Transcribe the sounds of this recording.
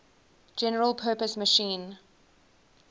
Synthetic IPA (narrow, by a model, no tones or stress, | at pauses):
d͡ʒɛnəɹəlˠpʰɜːpəsməʃĩːn